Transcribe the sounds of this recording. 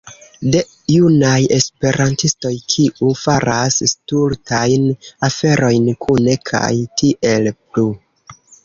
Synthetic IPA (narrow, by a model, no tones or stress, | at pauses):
de̞ | junaje̞spe̞ɾʔantisto̞jkʰiʔufaɾasstultʰajnafe̞ɾʔo̞jnkʰune̞kʰa̰jtiʔe̞lplu